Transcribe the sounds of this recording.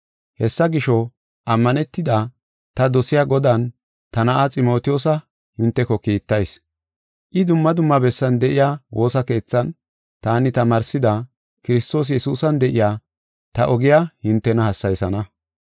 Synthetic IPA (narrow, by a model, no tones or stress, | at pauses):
hɛsːɐɡɪʃɔ | ʔɐmːɐnɛt̪ːɪd̪a | t̪ɐd̪ɔsɪjaːɡɔd̪ɐn | t̪ɐnɐʔat͡sʼɪmo̞ːt̪ɪjoːs̬ɐ | hɪnt̪ːɛkɔkiːt̪ːɐjs | ʔɪd̪ʊmːɐd̪ʊmːɐbɛsːɐnd̪ɛʔɪjaːwo̞ːsɐke̞ːt͡sːɐn | t̪aːnɪt̪ɐmɐɾsɪd̪ɐ | kɪɾɪst̪o̞ːs̬jɛsuːsɐnd̪ɛʔɪjaː | t̪ɐʔɔɡɪjahɪnt̪ːɛnɐhɐsːɐjsɐnɐ